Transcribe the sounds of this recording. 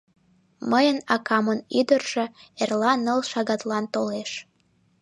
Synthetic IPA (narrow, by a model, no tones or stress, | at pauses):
məjənɑkɑmənyd̪ərʒ̥ĕerlɑnəlʃɑɣɑt̪lɑnt̪oleʃ